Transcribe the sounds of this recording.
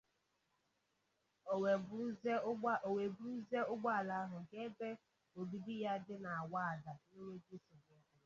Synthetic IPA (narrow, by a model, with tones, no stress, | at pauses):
o˨we˨bu˦u˦ze˦ʊ˦ɡ͡ba˦a˨la˦a˦ɦʊ˨ke˦be˦ | o˨bi˨di˦ja˦dɪ˦na˨a˨wa˦a˨da˨ni˦ŋe˦d͡ʒi˦sʊ˨be˨˦˨